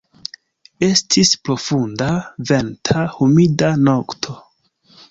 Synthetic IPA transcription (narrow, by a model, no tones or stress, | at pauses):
e̞stʰispɾo̞fundave̞ntʰahumidano̞ktʰo̞